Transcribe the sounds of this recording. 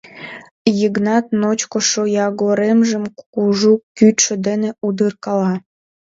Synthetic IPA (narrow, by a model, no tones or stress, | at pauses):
jəɡnɑt̪̚not͡ɕkoʃojɑɡoɾemʒəmkuʒukyt̪ʃə̆d̪eneud̪ɯrkɑlɑ